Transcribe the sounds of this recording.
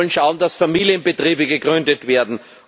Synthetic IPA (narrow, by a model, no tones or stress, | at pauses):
lənʃaʊndasfamiːlijənbətʁ̥iːbəɡəɡʁʏndətv̥eːɐdn̩